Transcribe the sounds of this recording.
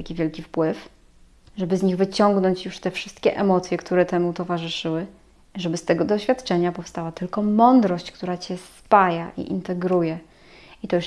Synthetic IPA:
akʲivʲjɛlkʲifpwɘf | ʐɛbɘzɲiɣvɘt͡ɕɔŋɡnɔɲt͡ɕjuʂt̪ɛfʂɘ̥st̪kʲɛʔɛmɔt̪sʲjɛkt̪uɾɛt̪ɛmut̪ɔvaʐɘʂɘwɘ | ʐɛbɘst̪ɛɡɔd̪ɔɕfʲjat̪t͡ʂɛɲapɔfst̪awat̪ɘlkɔmɔnd̪ɾɔɕt͡ɕkt̪uɾat͡ɕɛspajaʔḭʔḭnt̪ɛɡɾujɛ | it̪ɔjuʂ

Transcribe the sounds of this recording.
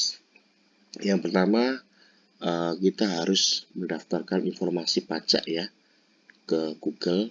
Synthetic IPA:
jaŋpərt̪ama | əkit̪aɦaɾʊsməndaft̪arkaninfɔrmasipat͡ʃa̰ʔja | kəɡ̥uɡ̥əl

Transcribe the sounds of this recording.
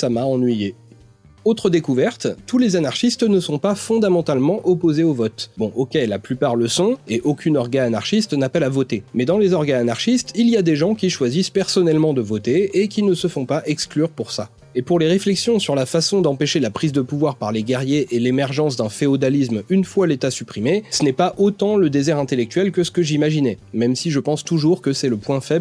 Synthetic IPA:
samaɑ̃nɥije | ot̪χəd̪ekuvɛʁt̪ːulezanaʁʃist̪nəsɔ̃pafɔ̃d̪amɑ̃t̪almɑ̃ʔɔpozeovɔt̪bɔ̃ʔokʲɛlːaplypaʁləsɔ̃eʔokʲynɔʁɡaːnaʁʃist̪napɛlavɔt̪emɛd̪ɑ̃lezɔʁɡaːnaʁʃist̪ilijad̪eʒɑ̃kʲiʃwazispɛʁsɔnɛlmɑ̃d̪əvɔt̪eːkʲinəsəfɔ̃paʔɛksklyʁpuʁsa | epuʁleʁeflɛksjɔ̃syʁlafasɔ̃d̪ɑ̃peʃelapχizd̪əpuvwaʁpaʁleɡɛʁjeʔelemɛʁʒɑ̃s̬d̪ɛ̃feod̪alismynfwalet̪asypχimesənɛpaʔot̪ɑ̃ləd̪ezɛʁɛ̃t̪elɛk̚t̪ɥɛlkəsə̥kəʒimaʒinɛmɛmsiʒəpɑ̃st̪uʒuʁkəsɛləpwɛ̃fɛb

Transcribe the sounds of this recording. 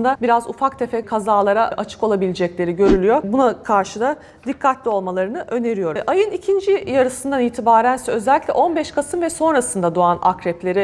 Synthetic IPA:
nd̪abiɾazufak̚t̪ʰefɛkʰazaːlˠaɾaʔat͡ʃʰɯ̥kolˠabilʲid͡ʒɛclʲe̞ɾiɟø̞ɾylʲyjo̞bunakʰaɾʃɯd̪a | d̪ikʰːat̪lʲio̞lˠmalˠaɾɯnɯʔø̞ne̞ɾijo̞ɾʔajɯnicʰind͡ʒijaɾɯsɯnd̪aniːt̪ʰibaːɾænsɛø̞zɛlʲicʲlʲɛ̰ʔo̞nbɛʃkʰasɯmvɛso̞nɾasɯnd̪ad̪oana̰kɾɛplʲe̞ɾɪ

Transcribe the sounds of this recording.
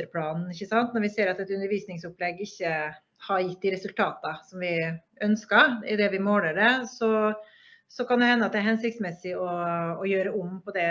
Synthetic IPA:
əɾpʰlɑːnn̩ɪçːəsɑnt̪nɔɾʋɪseːɾɑt̪ɛt̪ʉnəɾʋiːsnɪŋsʊplɛɡːɪçːə | hɑɾjɪt̪ːd̪ɪɾɛsʉlt̪ʰɑːt̪əsɔmʋɪʔœnskəɾɪd̪ɛʋɪmoːləɖɛsɔ | sɔkɑnd̪ɛhɛnːəɑt̪̚d̪ɛæɾhɛnsɪkt̪smɛsːɪɔɔjøːɾəɔmpɔd̪ɛ

